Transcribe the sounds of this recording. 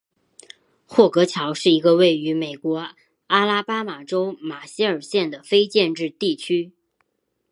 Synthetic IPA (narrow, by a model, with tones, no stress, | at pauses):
xwɔ˥˩kɤ˧˥t͡ɕʰjɑ˧˥ʊʂɻ̩˥˩i˧˥ɡə˧we˥˩ɪy˧˥me˨˩ɪkwɔ˧˥ | a˥la˥pa˥ma˨˩ʈ͡ʂo˥ʊma˨˩ɕi˥ə˞˨˩ɕjɛ˥˩nd̪ə˩fe˥ɪt͡ɕjɛ˥˧nʈ͡ʂɻ̩˥˧t̪i˥˩t͡ɕʰy˥